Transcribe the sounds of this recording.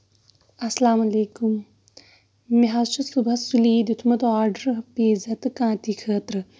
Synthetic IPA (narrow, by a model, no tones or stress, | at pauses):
ɐsɐlaːmɐleːkum | iɦaʃusubʱɐsuliːd̪ut̪ʰmɐt̪aːɾɖəɾɦɐpeːzɐt̪kãːt̪ikʰəːt̪ɾɨ